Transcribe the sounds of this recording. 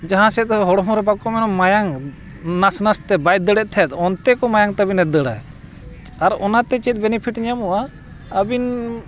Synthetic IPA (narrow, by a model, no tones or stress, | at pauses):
d͡ʒaɦãsɛt̪̚ɔɦɔɽɔɦɔ̃ɾɛbakɔmɛnɔmːajaŋ | nasnast̪ɛbajt̪̚d̪əɽɛʔ̪̚ˀt̪ʰɛt̪ɔnt̪ɛkɔmajaŋt̪əbinɛd̪əɽa̰j | aɾɔnat̪ɛt͡ʃɛt̪̚ˀbɛnipʰiʈɲamuʔa | əbin